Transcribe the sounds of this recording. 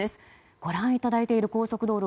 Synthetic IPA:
esɨ̥ | ɡ̥o̞ɾãɰ̃it̪ad̪ait̪e̞iɾɯ̟ko̞ːso̞kɯ̟d̪o̞ːɾɯ

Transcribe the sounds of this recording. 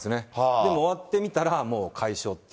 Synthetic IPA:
sɨne̞d̪e̞mo̞ːβat̪ːe̞mʲit̪aɾamo̞ːkʰaiɕo̞ːt̪ː

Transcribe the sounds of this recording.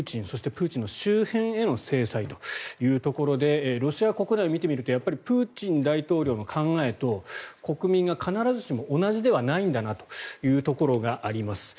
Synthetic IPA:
t͡ɕĩɰ̃so̞ɕi̥t̪e̞pɯ̟ːt͡ɕĩnːo̞ɕɨːhẽ̞ɰ̃e̞no̞se̞ːsait̪o̞jɯ̟ːt̪o̞ko̞ɾo̞d̪e̞ɾo̞ɕiako̞kɯ̟naio̞mʲit̪e̞mʲiɾɯt̪o̞japːaɾʲipɯ̟ːt͡ɕĩnd̪ait̪o̞ːɾʲo̞ːno̞kʰãŋɡae̞t̪o̞ko̞kɯ̟mʲĩŋɡakʰanaɾazɨɕimo̞ʔːnaʑid̪e̞βanaĩnd̪anat̪o̞̥jɯ̟ːt̪o̞ko̞ɾo̞ɡaʔaɾʲimasɨ̥

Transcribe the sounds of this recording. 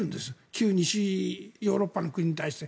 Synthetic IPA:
ɯ̃nd̪e̞sɨkʲɨːɲ̟iɕijo̞ːɾo̞pːano̞kɯ̟ɲ̟iɲ̟it̪aiɕi̥t̪e̞

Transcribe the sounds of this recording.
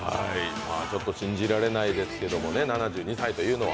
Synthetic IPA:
haimaːt͡ɕo̞t̪ːo̞ɕĩɲ̟d͡ʑiɾaɾe̞naid̪e̞sɨ̥ke̞d̪o̞mo̞ne̞nanaʑɨːɲ̟isait̪o̞jɯːno̞βa̰

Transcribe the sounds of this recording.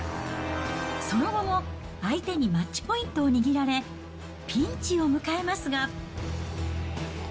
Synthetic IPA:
so̞no̞ɡo̞mo̞ | ait̪e̞ɲ̟imatːi̥po̞ĩnt̪o̞ːɲ̟iɡʲiɾaɾe̞ | pʲĩɲt͡ɕio̞mɯ̟kae̞masɨɡa

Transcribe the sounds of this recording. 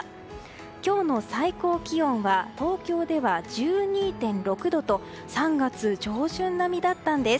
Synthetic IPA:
kʲo̞ːno̞saiko̞ːkʲiõ̞ɰ̃βat̪o̞ːkʲo̞ːd̪e̞βad͡ʑɨːɲ̟iːt̪ẽ̞nɾo̞kɯ̟d̪o̞t̪o̞ | sãŋɡat͡sɨd͡ʑo̞ːʑɨ̃nːamʲid̪at̪ːãnd̪e̞s

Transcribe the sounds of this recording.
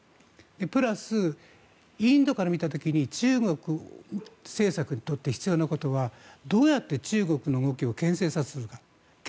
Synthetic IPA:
d̪̥e̞pɯ̟ɾasɨ | ĩnd̪o̞kaɾamʲit̪at̪o̞kʲiɲ̟it͡ɕɨːɡo̞kɯ̟ | se̞ːsakɯ̟ɲ̟it̪o̞t̪ːe̞çi̥t͡sɨjo̞ːnako̞t̪o̞βad̪o̞ːjat̪ːe̞t͡ɕɨːɡo̞kɯ̟noŋo̞kʲio̞kẽ̞se̞ːsazɨsɨɾɯ̟ka | k

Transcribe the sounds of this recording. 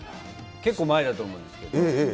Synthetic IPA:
ke̞kːoːmaed̪at̪oːmõd̪esɨ̥ke̞d̪oẽ

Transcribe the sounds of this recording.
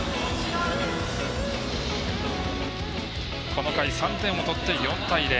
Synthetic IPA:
kʰo̞no̞kaisãnt̪ẽɰ̃ot̪o̞t̪ːe̞jõ̞nt̪aid̪e

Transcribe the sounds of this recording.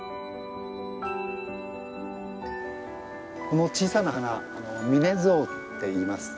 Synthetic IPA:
ko̞no̞t͡ɕiːsanahanaːno̞mʲine̞zo̞ː | e̞iːmasɨ̥

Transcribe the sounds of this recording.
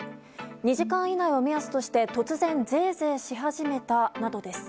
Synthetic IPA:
ɲ̟iʑikãɰ̃inaio̞mʲiasɨ̥t̪o̞ɕi̥t̪e̞t̪o̞t͡sɨzẽ̞nd͡ze̞ːze̞ːɕiɦaʑime̞t̪anad̪o̞d̪e̞sɨ̥

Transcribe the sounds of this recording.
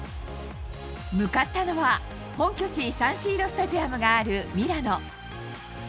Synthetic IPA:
mɯ̟kat̪ːano̞βa | hõ̞ŋkʲo̞t͡ɕisãɰ̃ɕiːɾo̞sɨ̥t̪aʑiamɯ̟ɡaːɾɯ̟mʲiɾano̞

